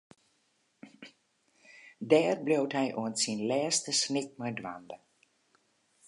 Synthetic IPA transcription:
dɛːrblowtɦɛjʔuəntsinlɛːstəsnɪk̚mɛjdʋandə

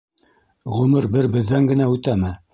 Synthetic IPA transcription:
ʁɵ̆mɘɾbɘɾbɘ̆ðːæŋɡɘ̆næʉt̪æmɘ

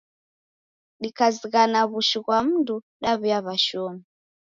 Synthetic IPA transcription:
ɗikaziɣanaβuʃiɣwam̩ndu | ɗaβujaβaʃɔmi

